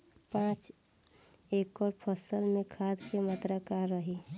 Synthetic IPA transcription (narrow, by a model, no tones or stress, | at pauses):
pãːt͡ʃ | ekɔɾpʰəsəlmẽkʰad̪kemət̪ɾəkaɾːəɦi